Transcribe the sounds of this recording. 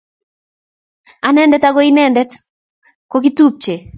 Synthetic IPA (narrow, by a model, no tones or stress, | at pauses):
anɛndɛtaɡɔinɛndɛt | kok̬itup̚t͡ʃe